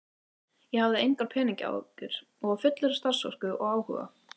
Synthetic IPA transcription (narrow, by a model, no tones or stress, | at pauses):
jɛhavðɪejŋkaɾ̥pʰɛːniɲcɪa̰wʏɾ̥ | ɔɣvafʏt̪lʏɾɪst̪ar̥svɔ̰r̥kʏʔɔɣaːwhʏ̰ɣa̰